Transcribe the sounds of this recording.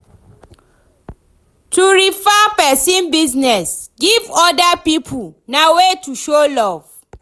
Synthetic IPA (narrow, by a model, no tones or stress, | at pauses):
tʰuɹifapɛsĩnbiznɛsɡivɔdapipʰunawetʰuʃolɔv̥